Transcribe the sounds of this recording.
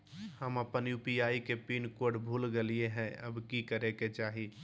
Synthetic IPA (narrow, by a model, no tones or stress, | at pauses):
həməpənjuːpiaːikepiːnkoɾɖbʱuːlɡelieɦɛ̃ə̰bkikəɾeket͡ʃaːɦi